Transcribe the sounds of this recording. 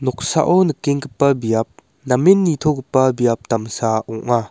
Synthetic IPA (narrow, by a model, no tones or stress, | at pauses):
nɔk̚sa̰ʔɔnɯkeŋkɯpːɐbijap̚ | namenːit̪ʰɔkɯpːɐbijap̚t̪amsaɔŋa